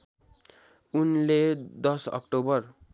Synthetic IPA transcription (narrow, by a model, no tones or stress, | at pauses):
unled̪ʌsʌ̰kʈobʌr